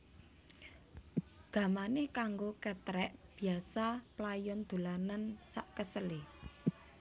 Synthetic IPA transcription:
ɡ̥ä̤manekaŋɡokɛt̪ɾɛʔb̥i̤asaplajɔnd̪̥o̤lanansaʔkəsəle

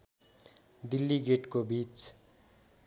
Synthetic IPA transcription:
d̪ilːiɡeʈkobit͡s

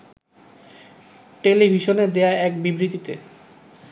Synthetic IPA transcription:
ʈelibʱiʃoned̪eaɛkbibɾit̪it̪e

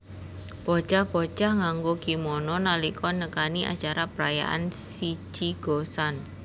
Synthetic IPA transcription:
b̥ɔ̥t͡ʃahb̥ot͡ʃahŋaŋɡokimɔnɔnalikɔnəkaniʔa̰t͡ʃaɾapəɾaja̰ʔa̰nsit͡ʃiɡ̥osan

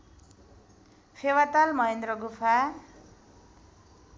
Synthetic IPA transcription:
pʰewat̪almʌɦend̪rʌɡupʰa

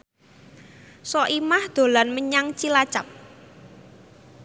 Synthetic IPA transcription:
sɔʔimahd̪̥o̤lanməɲaŋt͡ʃilat͡ʃap̚

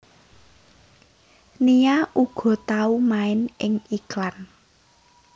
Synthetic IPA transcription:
nijaʔuɡ̥ɔ̤t̪aumaɪnʔɪŋiklan

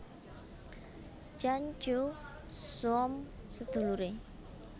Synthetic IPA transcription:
d͡ʒaɲt͡ʃu | suɔmsəd̪̥ṳluɾe

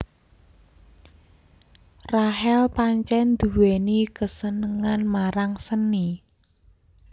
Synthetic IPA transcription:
raɦɛlpaɲt͡ʃɛnd̪̥uwenikəsənəŋanmaɾaŋsəni

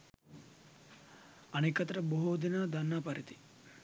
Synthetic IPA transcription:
ɐneːkɐt̪ɾɐboɦod̪inad̪ʱɐnːaːpɐɾit̪i̥

